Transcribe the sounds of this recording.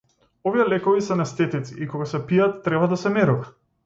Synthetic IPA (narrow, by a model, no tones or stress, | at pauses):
ovijɛlɛkɔvisɛnɛst̪ɛt̪it̪siʔikɔɡasɛpijat̪ːɾɛbad̪asɛmɛɾuva